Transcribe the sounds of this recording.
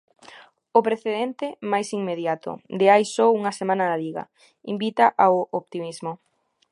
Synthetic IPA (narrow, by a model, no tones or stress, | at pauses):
ʊpɾeθeðent̪ɪmajsiŋmeðjat̪ʊ̰d̪eajsouŋɐsemãnɐðɐliɣɐ̰ | imbit̪aʔaoʔopt̪imizmʊ